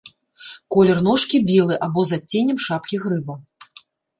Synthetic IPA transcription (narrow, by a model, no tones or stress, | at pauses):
kɔlʲɛrnɔʂkʲibʲilˠɨʔabɔzat͡sʲːenʲɛmʂapkʲiɣɾɨbɐ